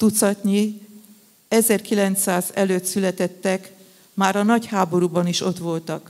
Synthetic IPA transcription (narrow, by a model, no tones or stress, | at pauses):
t̪ut̪sɒt̪ɲi | ɛzɛrkilɛnt̪saːzɛløːt̪sylɛt̪ɛt̪ːɛk | maːɾɒnɒchaːbo̞ɾuːbɒniʃo̞t̪ʋo̞lt̪ɒk